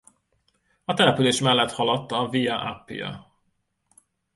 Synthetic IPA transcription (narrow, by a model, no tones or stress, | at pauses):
ɒt̪ɛlɛpyleːʃmɛlːɛt̪hɒlɒt̪ːɒvijɒʔapːḭjɒ̰